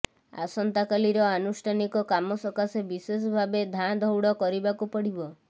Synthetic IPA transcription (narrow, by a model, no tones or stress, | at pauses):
a̰sɔnt̪akaliɾɔanusʈʰanikɔkamɔsɔkasebises̬ɔbʱabed̪ʱad̪ʱɔwɽɔkɔɾibakupɔɽibɔ